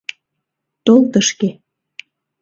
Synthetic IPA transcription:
t̪olt̪əʃke

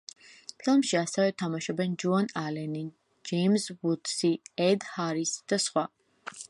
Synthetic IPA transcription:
pʰilˠmʃiasɛvɛt̪ʰamaʃɔbɛnd͡ʒuanalɛni | d͡ʒɛmsbut̪siɛd̪haɾisd̪̥asχwa

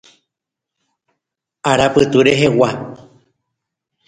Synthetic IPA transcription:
aɾapɨt̪uɾeɦewa

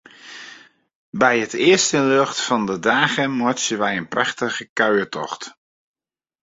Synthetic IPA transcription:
bɛjətɪəstənløxtfɑndədaːɣəmɔt͡ʃəʋɛjənpraxtəɣəkœɥətɔ̰xt

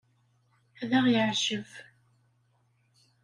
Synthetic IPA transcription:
æðaʁjəʕʒəv

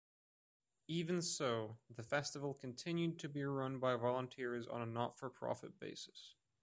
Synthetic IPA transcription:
ivɨ̃nsoʊðɨfɛstəvl̩ˠkʰɨ̃n̩tʰɪ̃njʉd̚tʰɨbiɹʌ̃nbaɪvɑlˠə̃ntʰɪɹzn̩ənɑtfə˞pʰɹ̥ɑ̰fɨ̰t̚b̥ḛɪsɨ̥s

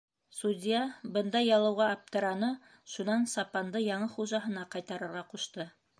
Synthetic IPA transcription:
sud̪ʲijɑbɤnd̪ɑjːɑlˠɤ̆wʁɑːp̚t̪ɤ̆ɾɑnɤ | ʃunɑnsɑpɑnd̪ɤjɑɴɤχuʒɑɦɤ̆nɑqɑjt̪ɑɾɤ̆ɾʁɑquʃt̪ɤ

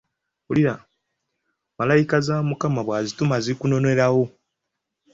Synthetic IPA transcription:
uliɾa | malajikazamukamaβwaːzitumaziikuno̞ne̞ɾawo

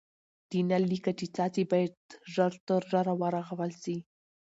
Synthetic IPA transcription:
d̪̥inalːikat͡ʃet͡sɑt͡sibɑjad̪ʒaɾt̪əɾʒaɾawɑɾaɣawəlsi

